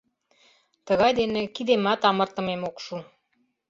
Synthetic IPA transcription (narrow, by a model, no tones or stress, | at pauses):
t̪əɣɑjd̪enĕkid̪emɑt̪ɑmərt̪ə̆memokʃu